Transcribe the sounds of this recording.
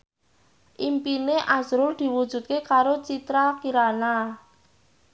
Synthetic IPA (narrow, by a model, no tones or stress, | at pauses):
ʔimpineʔazɾʊrd̪̥i̤wu̥ʒ̥ṳt̪̚kekaɾot͡ʃit̪ɾakiɾana